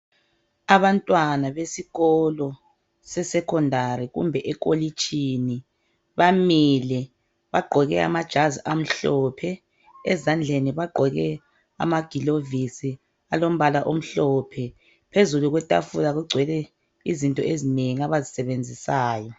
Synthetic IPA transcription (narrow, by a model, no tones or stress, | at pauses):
aβantʼwanaβesiɣɔlɔ | sɛsɛkʰɔndʱariɣṵmbʱɛʔɛkʼolit͡ʃʼʰini | βamilɛ | βaɡ͡ǃʱɔɣɛa̰mad̥ʒ̥ʱaziam̩ɬɔːpʰɛ | ɛzand͡ɮʱeniβaɡ͡ǃʱɔɣɛ | a̰maɡ̥ʱilovisi | alom̩βalaʔom̩ɬɔːpʰɛ | pʰezuluɣwɛtʼa̰fulaɣuɡ͡ǀʱwɛlɛ | izintʼɔezineŋaβazisɛβend͡zʱisaːjɔ